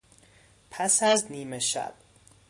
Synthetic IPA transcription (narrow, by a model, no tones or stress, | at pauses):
pʰæsæzniːmeʃæ̰b̥̚